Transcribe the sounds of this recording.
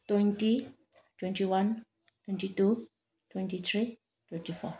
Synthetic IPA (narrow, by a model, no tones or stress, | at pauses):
twɛnti | tʰwɛntiwãn | tʰwɛ̃ntitu | tʰwɛ̃ntit̪ʰɹi | tʰwɛ̃ntifɔ̰